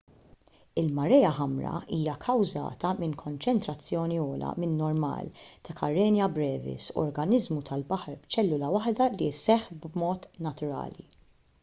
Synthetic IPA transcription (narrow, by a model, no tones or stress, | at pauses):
ɪlmɐɾɛjɐħɐmɾɐ̰iːjɐkʰɐwzɐ̰ːt̪ɐmɪŋkʰɔnt͡ʃɛnt̪ɾɐt͡sːjɔːniɔːlɐ̰mɪnːɔɾmɐ̰ːlt̪ɐkʰɐ̰ɾːɛːnjɐbɾɛːvɪ̰sɔ̰ɾɡɐnɪzmut̪ʰɐlbɐħɐɾbt͡ʃɛlːʊlɐwɐħd̪ɐlisɛħbmɔːt̪nɐt̪ʊɾɐ̰ːlḭ